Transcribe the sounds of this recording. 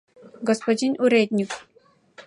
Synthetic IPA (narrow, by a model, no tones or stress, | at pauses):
ɡəspəd͡ʑinuɾed̪nʲuk